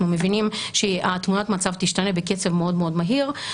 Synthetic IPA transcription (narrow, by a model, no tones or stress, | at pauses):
numevinimʃeat̪munat̪mat͡savt̪iʃtane̞beket͡sevmeo̞dmeo̞dmaɦiʁ